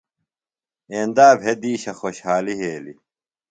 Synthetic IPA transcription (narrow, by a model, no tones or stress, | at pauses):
eːnd̪aːbʱed̪iːɕɐxoɕhaːliɦeːlḭ